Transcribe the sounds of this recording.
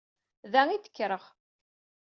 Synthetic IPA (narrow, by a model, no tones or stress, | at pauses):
ðæŋiθə̥kːɾəʁ